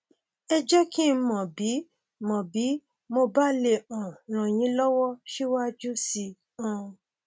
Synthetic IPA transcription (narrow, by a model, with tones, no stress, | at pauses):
ɛ˧d͡ʒɛ˦kĩ˦˧˦mɔ̃˨bi˨˦ | mɔ̃˨bi˨˦ | mo˧ba˦le˧˨ɔ̃˨ɾ̃ã˨j̃ĩ˨˦lɔ˦wɔ˦ʃe˦wa˦d͡ʒu˦si˧ | ũ˧